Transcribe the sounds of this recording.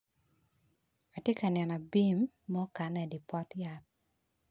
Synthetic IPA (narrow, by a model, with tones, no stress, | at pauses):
a˨tje˦ka˨nɛ˨nɔ˨bi˦mː | ɔ˦ka˨nɛ˨di˨pɔ˦tja˨t̚